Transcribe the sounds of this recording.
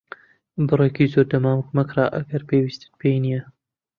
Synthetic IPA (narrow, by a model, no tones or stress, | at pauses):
bɨrekizoɾd̪ɐmaːwɨkmɐkrɑːʔɐ̰ɡɐɾpewiːst̪ɨ̥t̪̚pʰejnijɛ